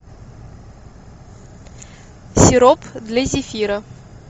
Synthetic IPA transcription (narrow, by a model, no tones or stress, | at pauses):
sʲɪɾopd̪lʲazʲɪfʲiɾə